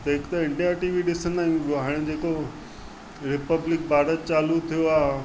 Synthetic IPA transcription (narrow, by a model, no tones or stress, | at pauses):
t̪ɐɦɪkt̪aɪ̃ɳʈiaʈiːʋiɗɪsənaːijũoɦaːɽ̃ĕd͡ʑeːko | ɾɪpəblɪk̚bʱaːɾət̪̚t͡ɕaːlut̪ʰijoaː